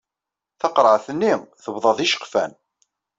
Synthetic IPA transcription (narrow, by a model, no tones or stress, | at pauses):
θɑqɾˤəʕθənːimθəbðˤɑðˤiʃə̥qfæ̰n